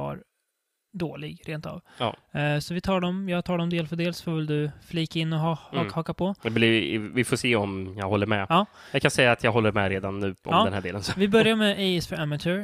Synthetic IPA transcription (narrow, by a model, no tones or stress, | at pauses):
a̰ɾ | d̪oːlɪɡɾʔeːnt̪a̰v̰ | sɔvɪt̪ʰɑːɖɔmjɑːɡt̪ʰɑːɖɔmd̪eːlfœɖeːlsfɔvɪld̪ɵfliːkaɪnːɔɦɑhɑhɑːkapʰɔblɪvɪfoːseːɔmjɑɡhɔlːəɾmɛ̰ɑː | jɑkʰansɛjːaːt̪ʰjɑːɡɦɔlːəɾmɛɾeːd̪anːʉ̟ːʔɔ̰mːɛnhæːɖeːlənsɔvɪbœɾjaɾmɛʔɛsfœɾæmatʉɾ